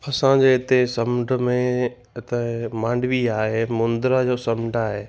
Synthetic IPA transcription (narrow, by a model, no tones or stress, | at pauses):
ɐsãd͡ʑeːɦɪt̪esɐmɖə̆mẽ | ɪt̪əmãːɳɖʋiaːɦemʊ̃nd̪ɾad͡ʑoːsɐmɖaːɦeː